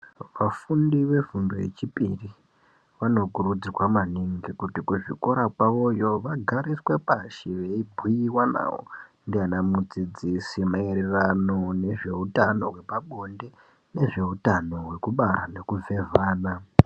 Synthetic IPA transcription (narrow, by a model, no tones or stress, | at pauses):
ʋafundiʋe̞vundoje̞̰t͡ʃipḭri | ʋano̞kurud͡zirwamaniŋɡikutikuʐiko̞ɾakwaʋo̞jo̞ʋaɡʱaɾiswe̞paʃiʋeibʱuiwana̰wo̰ndianamud͡zid͡zisimaeɾerano̞ne̞ʐe̞utano̞ɦwe̞paɓo̞nde | ne̞ʐe̞utano̞ɦwe̞kuɓaɾane̞kuvʱe̞vaːna